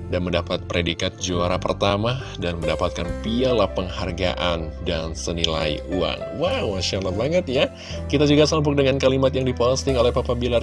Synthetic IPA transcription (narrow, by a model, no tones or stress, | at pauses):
danməndapat̪̚pɾedikat̪̚d͡ʒoaɾapərt̪ama | danməndapat̪̚kanpialahpəŋharɡa̰ʔandansənila̰ḭua̰ŋwawmaʃalabaŋət̪̚ja | kit̪ad͡ʒuɡasəamp̬ʊk̚dəŋankalimat̪jaŋdipost̪ɪŋolɛhpapabilar